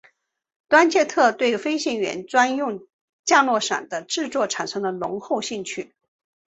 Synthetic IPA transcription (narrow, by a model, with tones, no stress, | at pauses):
t̪wa˥nt͡ɕʰjɛ˥˧t̪ʰɤ˥˧t̪we˥˩ɪfe˥ɪɕi˥˩ŋɥɛ̰˧˥nt͡swa˥njʊ˥˧ŋ | t͡ɕja˥˧lwɔ˥˩ʂa̰˨˩nd̪ə˦ʈ͡ʂɻ̩˥˧t͡swɔ˥˩ʈ͡ʂʰa˨˩nʂɤ˥ŋd̪ə˨lʊ̰˧˥ŋxo˥˧ʊɕi˥˧ŋt͡ɕʰy˥